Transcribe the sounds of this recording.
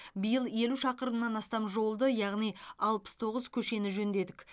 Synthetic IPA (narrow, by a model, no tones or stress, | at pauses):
bijəlˠje̞luʃɑqəɾənnɑnɑst̪ɑmʒo̞lˠd̪əjɑʁnijɑlˠpə̥st̪ʰo̞ʁəzkʲʰɵʃe̞nɪʒɵnd̪e̞d̪ɪk